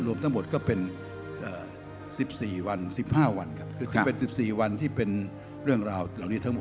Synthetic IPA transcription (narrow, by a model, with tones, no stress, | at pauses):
ɾu˧əmt̪ʰa˦˥ŋmo˨˩t̪̚kɔː˥˩pe˧n | ʔəː˨˩ | si˨˩p̚siː˨˩wa˧nsi˨˩p̚haː˥˩wa˧nkʰa˦˥p̚kʰɯː˧˩t͡ɕa˨˩˦pe˧nsi˨˩p̚siː˨˩wa˧nt̪ʰiː˥˩pe˧n | ɾɯ˥˩əŋɾaː˧wla˨˩wniː˦˥t̪ʰa˦˥ŋmo˨˩